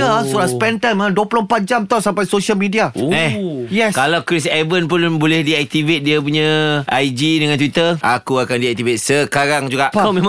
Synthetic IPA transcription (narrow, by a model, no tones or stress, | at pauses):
asuɾaspɛnt̪amãaduəpulompat̪̚d͡ʒamt̪awsampajsoʃiəlmidiaɛjɛskalawkɾis̬ɛbənpʊnbolɛhdiɛk̚t̪ivet̪̚diap̬uɲə̃ajd͡ʒidəŋant̪wit̪ərʔakuakandiɛk̚t̪ivet̪̚səkaɾaŋd͡ʒuɡapamẽm